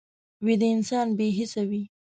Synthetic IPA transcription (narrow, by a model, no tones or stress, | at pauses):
wed̪əɪnsɑnbeɦɪsawi